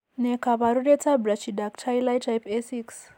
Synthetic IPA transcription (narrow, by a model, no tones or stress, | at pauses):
nekaβaɾuɾet͡sabɾat͡ʃidak̚tʰajlajtʰajpesiks